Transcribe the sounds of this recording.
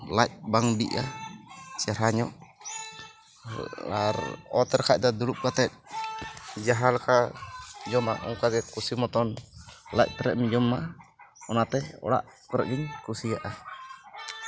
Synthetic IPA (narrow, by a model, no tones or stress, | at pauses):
la̰c̚baŋbḭʔa̰ | t͡ʃaɾaɲɔʔ | aɾɔt̪ɛɾkac̚t̪ad̪ulup̚kat̪ɛt̚ | d͡ʒaɦalkʰa | d͡ʒɔma̰ʔɔ̰ŋkaɡɛkusimɔt̪ɔnla̰c̚pəɾɛ̰ʔmid͡ʒɔmːaɔnat̪ɛɔ̰ɽa̰ʔ | pəɾɛʔɡiɲkusiaʔa